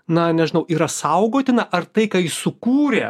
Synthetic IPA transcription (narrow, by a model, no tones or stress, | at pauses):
nɐnʲɛʒʲɪnɐʊʔiːɾɐsɐʊɡoːt̪ʲɪnɐʔɐrt̪ɐɪkɑːɪsʊkuːɾʲḛ